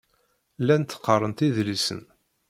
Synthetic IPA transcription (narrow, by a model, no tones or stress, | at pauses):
lænt̪ːə̥qːərˤənt̪iðlisə̰n